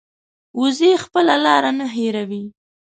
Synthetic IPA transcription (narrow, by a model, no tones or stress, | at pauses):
uzexpəlalɑɾanaɦeɾawi